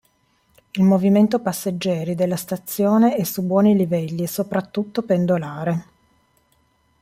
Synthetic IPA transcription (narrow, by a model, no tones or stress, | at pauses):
ilmoviment̪opasːed͡ʒːɛːɾid̪elːast̪at̪sːjoːneɛsubwɔːnilivɛlːisopɾat̪ːut̪ːopend̪olaːɾe